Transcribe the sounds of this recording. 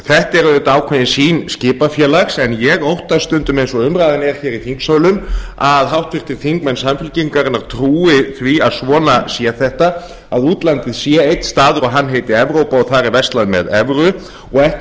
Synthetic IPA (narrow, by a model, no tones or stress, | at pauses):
θɛht̪ɛɾaðɪnt̪aːwkʰvɛðɪnsiːnscɪːpafjɛːlaxsɛnjɛɣowht̪ast̪ʏnt̪ʏmejnsɔʏmɾaːðɪnɛɾ̥çɛːɾiθiŋksaːwlʏmaðɦawht̪fɪr̥t̪ɪɾ̥θiŋkmɛnsamfɪlciŋkaɾɪnːaɾ̥t̪ʰɾuːɪθɾiaðsvɔːnasjɛaθɛht̪a | aðuːt̪lant̪ɪðsjɛejt̪st̪aːðʏɔɣɦanːɦeːjt̪ɪɛvɾowpaɔɣθaɾivɛst̪laðʏmɛ̰ðɛvɾʏ | ɔɣɛh